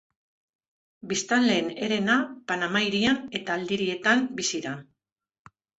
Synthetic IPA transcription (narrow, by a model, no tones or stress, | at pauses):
bist̪anle̞ːne̞ɾe̞napanamajɾiane̞t̪aːld̪iɾie̞t̪ambisiɾa